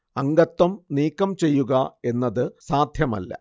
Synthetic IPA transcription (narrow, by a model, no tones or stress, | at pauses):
ɐŋɡɐt̪ːɐmniːkːɐmt͡ɕe̞jːuɣɐe̞nːɐðɨsaːd̪ʱjɐmɐ̰lːɐ̰